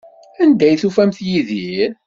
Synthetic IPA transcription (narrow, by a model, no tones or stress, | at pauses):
ænd̪æjθufæmθjiðiɾ